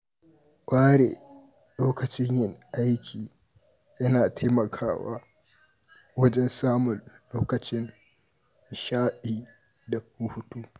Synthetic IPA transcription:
kʷʼaː˦ɽḛː˨ | loː˦kɐ˨t͡ʃɪ˦ɲjɪ˦ŋʔa˦jkʲiː˨ | jɐ˦naː˨tʰa˦mɐ˨kʰaː˦wa̰ː˦ | wɐ˦d͡ʒɛ˦nsaː˦mʊ˨nloː˦kɐ˨t͡ʃɪ˦n | ʃaː˦ɗiː˨ | da˨k̚uː˦ɸʊ˨tuː˦

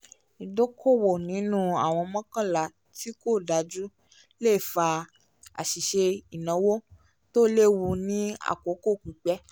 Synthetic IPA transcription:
i˨do˦kʰo˦˨wo˨nĩ˨˦nũ˦a̰˦˨w̃ɔ̃˧mɔ̃˦kã˦˨la˨ | ti˦ko˦˨da˧d͡ʒu˦ | le˦˨fa˧ | a̰˨ʃi˨ʃe˧i˨nã˨˦wo˦ | to˦le˦˨wu˧nĩ˦a̰˦˨ko˨˦ko˦˨ku˨k͡pɛ˦

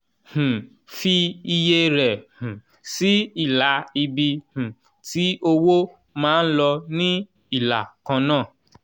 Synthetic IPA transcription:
hũ˨ | fi˧i˧je˧ɾɛ˨hũ˨ | si˨˦i˦˨la˨˦i˧bi˧hũ˨ | ti˦o˧wo˦ | mãː˦n̩˦lɔ˧nĩ˦ | i˦˨la̰˨kã˧nãː˦˨

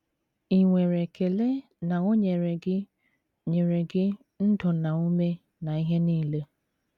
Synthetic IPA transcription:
i˨ŋʷe˨ɾe˨kʰe˨le˦ | na˨ŋo˦ɲe˨ɾe˨ɡɪ˦ | ɲe˨ɾe˨ɡɪ˦ | n̩˦dɔ˨na˨o˦me˦ | na˨i˦ɦe˦niː˦˨le˦

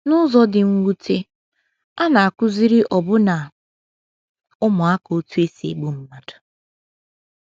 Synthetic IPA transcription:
nʊ˦zɔ˨dɪ˨ŋ̩˦wu˦te˦ | a˦na˨a˨kʊ˦zi˦ɾi˦ʔɔ˨bʊ˦na˨ | ʊ˦mʊ˨a˦ko˦tu˦e˦sḛ˨ɡ͡bu˦m̩˦ma˨dʊ̥˨

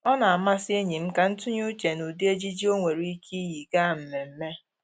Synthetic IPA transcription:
ɔ˦na˨a˨ma˦sɪ˦e˦ɲi˨m̩˦ka˨n̩˦tʊ˦ɲu˦t͡ʃe˨nu˨di˦e˦d͡ʒi˦d͡ʒi˦o˦ŋʷe˨ɾi˦kʰi˦ji˨ɡa˦˨m̩˨me˨m̩˦me˦

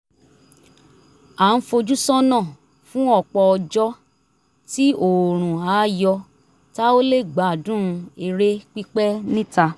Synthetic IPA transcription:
a˨˦n̩˦fo˧d͡ʒu˦sɔ̃˦nã˦˨ | fũ˦ɔ˦˨k͡pɔ˧ɔ˧d͡ʒɔ˦ | ti˦o˨ɾ̃ũ˨a˨˦jɔ˧ | ta˦o˦le˦˨ɡ͡ba˨dũ˦˧e˧ɾe˦k͡pi˦k͡pɛ˦nĩ˦ta˧

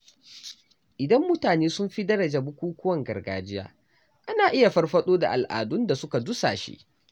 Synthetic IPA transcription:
ʔɪ˨dɐ˦mːʊ˦taː˨neː˦sʊ˦mɸi˦dɐ˦ɽɐ˨d͡ʒa˨bʊ˦kʷuː˦kʷʊ˦wɐ˨ŋɡɐ̰˨rɡaː˨d͡ʒɪ˦ja̰ː˦ | ʔa˦naː˨ʔɪ˦ja˨ɸɐ˦rɸɐ˦ɗoː˦da̰˨ʔa˨lʔa̰ː˨dʊ˦nda˨sʊ˦ka˨dʊ˦sa̰ː˨ʃḭ˦ʔ

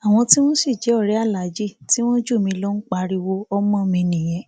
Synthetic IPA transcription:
a˨w̃ɔ̃˧ti˦w̃ɔ̃˦si˦˨d͡ʒɛ˨˦ɔ˦˨ɾɛ˨˦a˦˨la˨˦d͡ʒi˦˨ti˦w̃ɔ̃˦d͡ʒu˦˨mĩ˧˦lo˦n̩˦k͡pa˧ɾi˧wo˧ɔ˦mɔ̃˦˨mĩ˧nĩ˨j̃ɛ̃˧˦

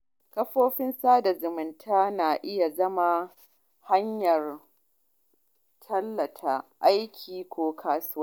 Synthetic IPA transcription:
kɐ˦ɸoː˦ɸɪ˦nsaː˦da˨zʊ˨mɪ˨ntʰaː˦naː˨ʔɪ˦ja˨zɐ˦ma˨ | ha˦ɲjɐ˨r | tʰɐ˦lːɐ˨tʰa˦˨ʔa˦jkʲʰiː˨kʷoː˦kʰaː˦sʊ˦waː˦˨

